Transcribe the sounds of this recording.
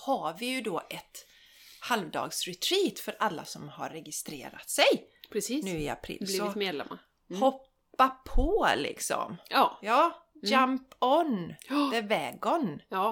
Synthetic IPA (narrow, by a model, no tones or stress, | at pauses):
haɾvɪjɵd̪oːʔɛt̪ | halvd̪ɑ̰ːɡsɾɛt̪ʰɾiːt̪fœɾalːa̰sɔmha̰ɾːɛɡɪst̪ɾḛːɾa̰t̪sɛjpʰɾɛsiːnʉ̟ːɪa̰pʰɾḭːlsliɔɪmeːd̪lɛ̰ma̰ɾ | hɔpː | apʰɔlɪ̰ksɔ̰mːjɑːd͡ʒampɔnd̪ɛvɛːɡɔnː